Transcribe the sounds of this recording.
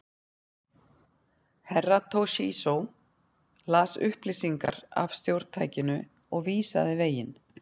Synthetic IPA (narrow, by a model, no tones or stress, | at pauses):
hɛrːat̪ʰowʃisow | laːsʏhplɪsiŋka̰ɾa̰vst̪jowɾt̪t̪ʰa̰jcɪnʏ | ɔɣviːsaðɪveːjɪn